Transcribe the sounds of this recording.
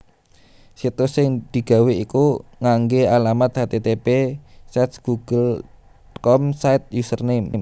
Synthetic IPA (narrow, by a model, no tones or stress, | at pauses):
sit̪ʊsɪŋd̪̥i̤ɡ̥a̤weikuŋaŋɡealamat̪̚hat̪et̪epesat̪sɡ̥uɡ̥əl | kɔmsaɪt̪̚jusərnɪmm